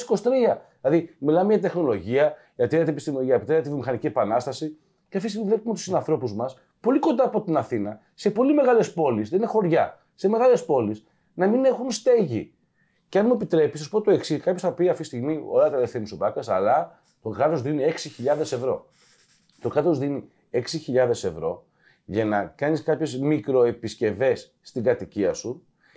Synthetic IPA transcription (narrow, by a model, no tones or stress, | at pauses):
si̥ko̞si̥t̪ɾiɐ | lɐðimilɐmeʝɐt̪e̞xno̞lo̞ʝiɐ | ʝɐt̪ieet̪epist̪imɐepit̪ɾept̪ivjomixɐnicie̞pɐnɐst̪ɐsi | ceɐft̪ist̪iɣmivlepumet̪usinɐnθɾo̞puzmɐs | po̞likond̪ɐːpot̪inɐθinɐ | se̞po̞lime̞ɣɐle̞spo̞lisðeinexo̞ɾʝɐ | se̞me̞ɣɐle̞spo̞lis | nɐmine̞xunst̪e̞ʝḭ | ceɐnmuepit̪ɾe̞pisɐsupot̪oe̞ksikɐpçosθɐpiɐft̪ist̪iɣmio̰eɐt̪ɐlefθenisopɐkɐsɐ̰lɐ | t̪o̞kɣɾɐt̪o̞zðinie̞ksiçiʎɐðe̞se̞vɾo̞̰ | t̪o̞kɾɐt̪o̞zðini | e̞ksiçiʎɐðe̞se̞vɾo̞ | ʝɐnɐkɐniskɐpçe̞zmikɾo̞e̞pisce̞ve̞sːt̪iɡɐt̪iciɐsu